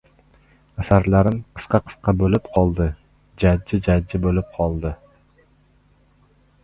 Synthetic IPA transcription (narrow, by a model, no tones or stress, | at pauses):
asaɾlaɾɪmqʰɨ̥sqɑqʰɨ̥sqɑbɵlɪpqʰɒlˠd̪ɪ | d͡ʒad͡ʒːɪd͡ʒad͡ʒːɪbolɪp̚qʰɒlˠd̪ɪ